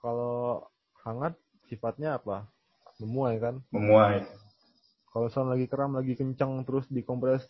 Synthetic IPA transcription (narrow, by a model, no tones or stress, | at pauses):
kalo | haŋat̪̚ | sifat̪̚ɲaːpa | məmuajkanməmuaj | kalosəanlaɡikəɾamlaɡikəɲt͡ʃaŋt̪əɾʊsdikɔmpɾɛs